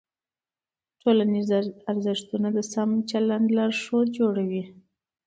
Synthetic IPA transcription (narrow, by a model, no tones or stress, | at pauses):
ʈʰolanizaɾzɪʂt̪unad̪əsamt͡ʃalaɳdlɑɾʂod͡ʒoɽawi